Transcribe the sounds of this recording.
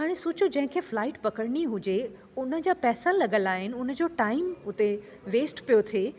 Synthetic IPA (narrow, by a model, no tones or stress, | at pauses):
ɦaːɽ̃esʊːt͡ɕʊd͡ʑɐ̃ɦɪ̃kʰeːflaːɪʈpɐkəɽɽ̃iɦʊd͡ʑe | ʊnə̆d͡ʑaːpɛːsalɐɠəlaːɦɪnɪ̆ʊnə̆d͡ʑoːʈaːɪmʊt̪e | ʋeːsʈpijot̪ʰieː